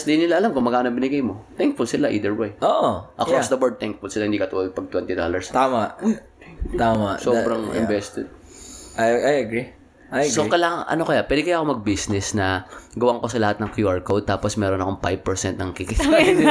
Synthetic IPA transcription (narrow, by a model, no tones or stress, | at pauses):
sd̪inɪlaʔɐlamkʊmɐɡaːnɐbɪnɪɡajmot̪ɛŋk̚fʊlsɪlaʔḭːd̪ɛɹwajoːʔoʔɐkɾɔsd̪ɐbɛɹd̪̚t̪ɛŋk̚fʊlsɪlahɪnd̪ikɐt̪uʔɐd̪̚pɐɡ̚t̪wɛnt̪ɪd̪o̰lɐɹst̪aːmaʔ̪ | t̪amaʔsoːbɾɐŋʔɪ̰mbɛst̪ɛd̪̚ | ʔɐjʔɐjɐɡɾi | ɐjsɡokɐlaːŋɐŋʔɐ̰no̞kɐjapwɛːd̪ɪkɐjaːʔɐkomɐɡ̚bisnɛsnɐɡɐwaŋko̞sɐlɐhat̪nɐŋkjuʔɐɹkowd̪̚t̪aːposmɛɾonɐkoŋpajb̚pɛɹsɛnt̪̚nɐŋkikɪsa